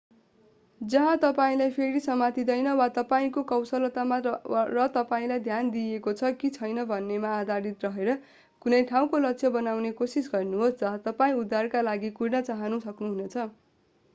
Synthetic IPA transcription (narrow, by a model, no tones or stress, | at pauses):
d͡zʌɦãt̪ʌpaĩlajpʰeɾisʌmat̪id̪ʌjnʌwat̪ʌpaĩkokʌwsʌlʌt̪amarʌt̪ʌpaĩlajd̪ʱjand̪iekot͡sʰʌkit͡sʰʌjnʌbʱʌnːemaːd̪ʱaɾit̪rʌɦeɾʌ | kunʌjʈʰaw̃kolʌksʰʌbʌnawnekosisɡʌrnuɦosd͡zʌɦãt̪ʌpaĩud̪ʱːarkalaɡikurnʌt͡saɦʌnusʌknuɦunet͡sʰʌ